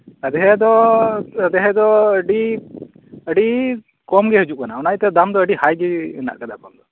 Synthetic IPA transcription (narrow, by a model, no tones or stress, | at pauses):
əd̪ɛɦɛd̪ɔ | əd̪ɛɦɛd̪ɔəɖi | əɖi | kɔmɡɛɦəd͡ʒuʔ̚kanaɔnajt̪ɛd̪amd̪ɔəɖihajɡɛna̰ʔkad̪akɔmd̪ɔ